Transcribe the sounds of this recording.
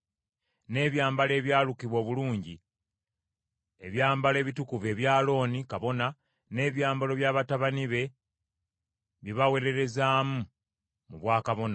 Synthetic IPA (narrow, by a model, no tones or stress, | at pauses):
ne̞ːβjaːmbale̞ːβjaːlukiβwo̞ːβuluːɲɟi | eβjaːmbale̞ːβitukuve̞ːβjaːlo̞ːnikaβo̞na | ne̞ːβjaːmbalo̞βjaːβataβaniβe̞ | βiβawe̞ɾe̞ɾe̞zaːmu | muβwaːkaβo̞na